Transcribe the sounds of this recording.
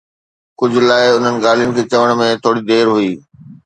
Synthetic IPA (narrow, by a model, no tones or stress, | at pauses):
kʊd͡ʑʱʊ̆laːɪʊn̤ənɪ̆ɡaːl̤ijənɪ̆kʰeːt͡ɕɐʋəɽ̃mẽt̪ʰoːɽid̪eːɾɦuiː